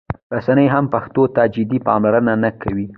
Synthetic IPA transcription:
ɾasanəjɦampaxt̪ot̪ad͡ʒɪd̪ipɑ̰mlaɾənanakawi

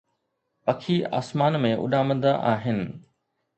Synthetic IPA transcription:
pɐkʰiːa̰ːsmaːnmẽʔʊ̰ɗaːmə̃nd̪əʔaːɦɪnɪ̆

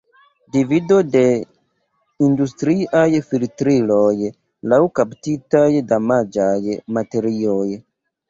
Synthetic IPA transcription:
divido̞de̞ | industɾiajfiltɾilo̞j | lawkaptitajdamad͡ʒajmate̞ɾio̞j

